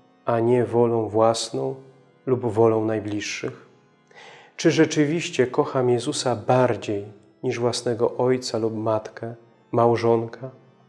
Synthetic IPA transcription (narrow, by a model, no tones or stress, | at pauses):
aɲɛvɔlɔ̃w̃vwasnɔ̃w̃ | lubvɔlɔ̃w̃najblʲiʂːɘx | t͡ʂɘʐɛt͡ʂɘvʲiɕt͡ɕɛkɔxamjɛzusabaɾd͡ʑej | ɲiʐvwasnɛɡɔʔɔjt̪salupmat̪kɛ | mawʐɔŋkʰa